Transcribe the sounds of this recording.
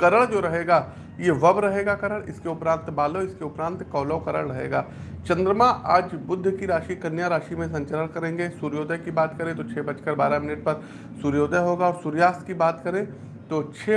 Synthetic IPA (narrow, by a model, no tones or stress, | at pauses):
kɐɾəɭd͡ʒoːɾɐɦeːɡaː | jeʋɐbɾɐɦeːɡakɐɾəɭɪskeʊpɾãːnt̪baːloɪskeʊpɾãːnt̪kɔːlokɐɾəɭɾɐɦḛːɡaːt͡ʃɐ̃nd̪ɾəmãʔaːd͡ʒbʊd̪ʱːkiɾaːʃikɐnjaɾaːʃimẽs̬ɐ̃ɲt͡ʃəɾəɽ̃kɐɾẽːŋɡesuːɾjoːd̪əkibaːt̪kɐɾẽt̪oːt͡ʃʰeːbɐt͡ʃkɐɾbaːɾamɪnɪʈ̚pɐɾ | suːɾjoːd̪əɦoːɡaɔːɾsuːɾjaːst̪kibaːt̪kɐɾẽ | t̪oːt͡ʃʰeː